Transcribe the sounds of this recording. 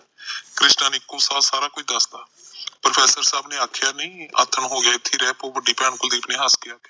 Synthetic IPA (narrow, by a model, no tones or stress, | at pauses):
kɾɪsnaːnɪɪkːõːsaːsaːɾaːkoːiːd̪əsd̪aː | pɾəpʰɛːsəɾsaːbneːaːkʰjaːnəĩːa̰ːt̪ʰːəɳɦoːɡɪjaːɪt̪ʰːiːɾɛːpoːbəɖiːpɛːɳkʊld̪iːpnẽːɦəskɪaːkeː